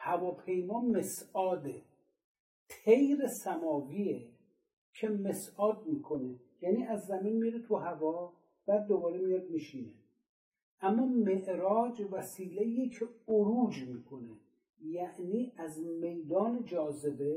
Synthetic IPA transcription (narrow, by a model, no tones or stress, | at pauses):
hævɒːpʰe̞jmɒːmesɒːd̪e | t̪ʰejɾesæmɒːviːe | kʰe̞mesɒːd̪̚miːkʰo̞ne | jæniːæzːæminmiɾet̪ʰuɦævɒː | b̥æːd̪̚ːobɒːɾemijɒd̪̚miʃiːne | ʔæmːɒːme̞ʔɾɒːd͡ʒvæsiːleiːcʰeoɾuːd͡ʒmiːkʰone | jæʔniːʔæzme̞jd̪ɒːned͡ʒɒːze̞be